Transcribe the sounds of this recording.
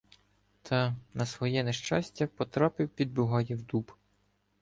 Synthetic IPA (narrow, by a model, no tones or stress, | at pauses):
t̪ʰɐnɐsʋɔjɛneʃt͡ʃɑsʲtʲɐpɔt̪ɾɑpɪwpʲid̪̚bʊɦɑjɛwd̪ub